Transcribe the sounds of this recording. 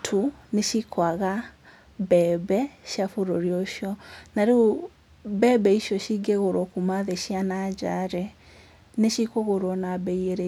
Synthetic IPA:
tʰuneʃikʰwaɣa | bɛːbɛʃjafuɾoɾiɔʃjɔnaɾe | bɛbɛiʃjɔʃiɡɛɣoɾɔkumaðeʃianad͡ʒaɾɛ | neʃikoɣoɾɔnabɛieɾɛ

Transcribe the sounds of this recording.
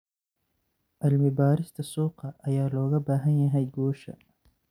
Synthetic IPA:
ʔɐlmɪbaːɾɪst̪ʰɐsuːqɐʔɐjaːlɔːɣɐbaːɦɐnjɐɦɛjɡɔːʃɐ̰

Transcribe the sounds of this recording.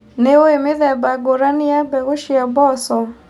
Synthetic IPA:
neoemɪðɛbaɡoɾanɪabɛɣoʃiabɔsɔ

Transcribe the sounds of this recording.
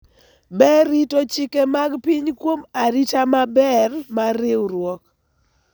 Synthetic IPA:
bɛɾitot͡ʃikemaɡpiɲkwomaɾitamabɛrmaɾewɾwɔk

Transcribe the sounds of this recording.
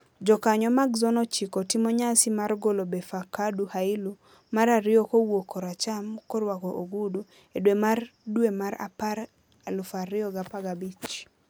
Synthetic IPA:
d͡ʒɔkaɲɔmaɡzɔnɔt͡ʃikɔtɪmɔɲasɪmarɡolobefakaduhaɪlu | maɾaɾɪɔkowokʰɔɾat͡ʃamkɔɾwakoʔoɡudo | edwemardwemaɾa̰paɾ | alʊfaɾɪɔɡapaɡabit͡ʃ

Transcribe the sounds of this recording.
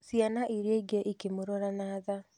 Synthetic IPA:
sianaʔiɾeɡɛʔikemoɾɔɾanaːða

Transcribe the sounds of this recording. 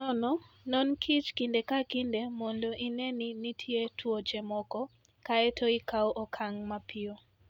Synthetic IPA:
ɔnɔnɔnkʰit͡ʃkindekakindemɔndɔʔinɛninitʰjetʰwot͡ʃɛmɔkɔ | kaɛtʰɔikawʔɔkʰaŋmapʰɪɔ

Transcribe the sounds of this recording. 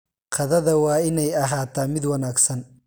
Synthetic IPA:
qʰɑðɐðɐwɑːɪnɛjɐɦaːt̪ʰaːmɪd̪wɑnaːɡsɐn

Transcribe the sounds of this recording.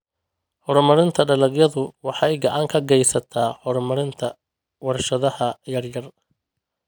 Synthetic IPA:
ħɔɾrmɐɾɪnt̪ʰɐɖɐlɐɡjɐðʊwɑħɑjɡɐʕɑːŋkʰɐɡɛjsɐt̪ʰaːhɔrmɐɾɪnt̪ʰɐ | wɐɾʃɐðɐhɐjɐrjɐr

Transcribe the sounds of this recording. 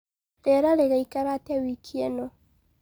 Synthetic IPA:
ɾeɾaɾeɣaikaɾatewikʰieno

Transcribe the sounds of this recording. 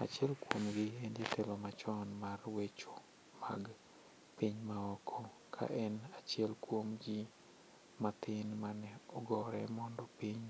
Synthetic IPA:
a̰t͡ʃɪɛlkwomɡɪend͡ʒet̪ʰelɔmat͡ʃɔnmarwet͡ʃo | ma̰ɡ | piɲmaɔkʰɔ | kʰa̰ʔɛnat͡ʃjɛlkwomɡɪ | mat̪ɪnmanɛɔɡɔɾɛmɔndɔpiɲ

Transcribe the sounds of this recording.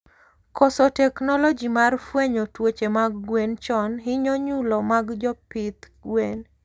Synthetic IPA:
kɔsɔtɛknɔlɔd͡ʒimarfweɲotwot͡ʃemaɡɡwent͡ʃɔnɦɪɲɔɲulɔmaɡd͡ʒɔpɪt̪ | ɡwen

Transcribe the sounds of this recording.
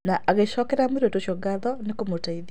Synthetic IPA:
naʔaɣeɕɔkɛɾameɾotoɕjɔɡaðɔnekomotaiðj

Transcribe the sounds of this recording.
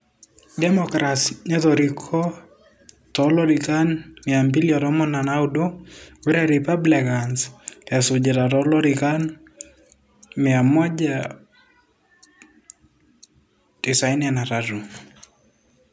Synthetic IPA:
dɛmɔkɾasɲɛðɔɾikʰɔ | tɔlɔɾikanmɪambiljɔɾɔmɔnanaudoweɾɛɾipablikansasʊd͡ʒeɾaɾɔlɔɾikan | mɪamɔd͡ʒa | d̥isajnanaɾaɾu

